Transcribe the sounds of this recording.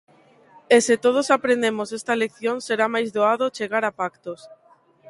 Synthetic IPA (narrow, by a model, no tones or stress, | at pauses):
eset̪oð̞osapɾẽnd̪emosest̪alek̚θjonseɾamajzðoaðot͡ʃeɣaɾapakt̪os